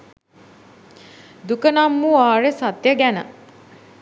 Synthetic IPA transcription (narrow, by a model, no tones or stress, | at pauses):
d̪ukənamːuaːɾesat̪jəɡænə